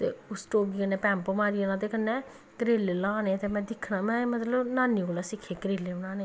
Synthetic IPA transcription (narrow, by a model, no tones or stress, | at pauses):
t̪ḛːʊsʈoːɡikənːɛːpɛ̃ːmpomaːɾianaːt̪ekənːɛː | kɾeːlelãːnet̪emɛ̃ːd̪ɪkʰːnaːmɛ̃ːmət̪ləbnaːnːikolaːsɪkʰːeːkɾeːlːebənaːneː